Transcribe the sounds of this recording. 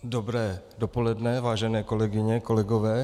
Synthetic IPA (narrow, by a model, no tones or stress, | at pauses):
dobɾɛːdopo̞lɛdnɛvaːʒɛnɛːko̞lɛɡɪɲɛko̞lɛɡovɛː